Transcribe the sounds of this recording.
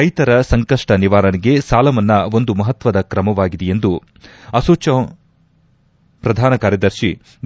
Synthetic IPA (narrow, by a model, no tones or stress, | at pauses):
ɾɐjt̪ɐɾɐsɐŋkɐʂʈɐniʋaːɾɐɳiɡe̞saːlɐmɐnːɐo̞nd̪umɐɦɐt̪ʋɐd̪ɐkɾɐmɐʋaːɡid̪ejend̪u | ɐsoːt͡ʃɐ | pɾɐd̪ʱaːnɐkaːɾjɐd̪ɐɾʃi